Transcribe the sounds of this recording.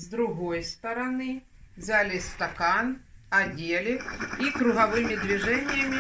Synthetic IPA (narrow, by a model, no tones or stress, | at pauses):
zd̪ɾʊɣɔjst̪ɐɾɐnɪ | zalʲɪst̪ɐkanɐdʲelʲɪikɾʊɣɐʋɪmʲid̪ʲʋʲiʐɛnʲːɪjɐmʲi